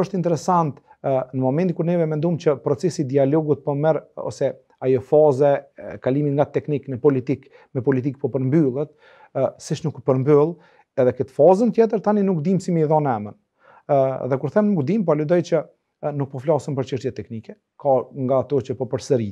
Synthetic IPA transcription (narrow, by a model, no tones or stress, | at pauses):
əʃt̪int̪ɛɾɛsant̪ | nəmɔmɛnt̪ikuɾnɛvɛmɛnd̪umt͡ʃəpɾɔt͡sɛsid̪ialɔɡut̪̚pɔmɛɾɔ̰sɛ | ajɔfɑzɛkaliminŋɡat̪ɛkniknəpɔlit̪ik | mɛpɔlit̪̬ik̚pɔpəɾmbylˠət̪̚ | sit͡ʃnukpəɾmbylˠ | ɛðɛkət̪fɑzənt̪jɛt̪̬əɾt̪aninukd̪imsimiiðɔnɛmən | ðɛkuɾθɛmnnukd̪impɔləd̪ɔjt͡ɕə | nuk̚pɔflɑsəmpəɾt͡ʃəʃt̪jɛt̪ɛknikɛ | kaŋɡaːt̪ɔt͡ʃəpɔpəɾsəɾi